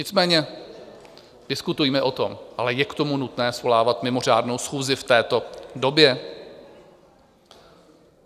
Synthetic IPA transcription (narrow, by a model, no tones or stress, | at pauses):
ɲɪt͡smɛːɲɛ | d̥ɪskut̪ujimɛʔo̞t̪o̞̰mʔalɛjɛkt̪o̞munut̪nɛːsvolaːvat̪mɪmo̞r̝aːdno̞wsxuːzɪft̪ɛːt̪o̞do̞bjɛ